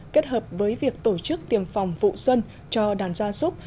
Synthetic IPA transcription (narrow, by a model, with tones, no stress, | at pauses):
ke˦˥t̚həː˨˩p̚vəː˨˦jvi˨˩ək̚t̪o˧˩t͡ɕɨ˦˥k̚t̪i˨˩əmfa˨˩wŋ͡mvṵ˧˨swə˧n | t͡ɕɔ˧ɗaː˨˩nzaː˧so˦˥p̚